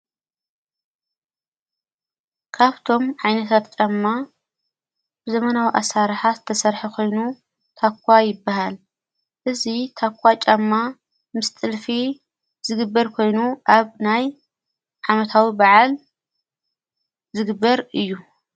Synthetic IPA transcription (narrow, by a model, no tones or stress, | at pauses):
kʰaβt̪ʰo̞mʕajnɐt̪ʰat̪̚t͡ʃʼɐmːa | bɨzɐmɐnawiʔasaɾħazɨt̪ʰɐsɐɾħikʰo̞jnu | t̪ʰakʷʰːajɪbːaɦal | ʔɨzit̪ʰakʷʰʼːat͡ʃʼamːa | mɨst̪ʼɨlfi | z̥ɨɡɨbːɐɾkʰo̞jnuʔaβnaj | ʕamɐt̪ʰawibaʕal | zɨɡɨbːɐɾɨjːu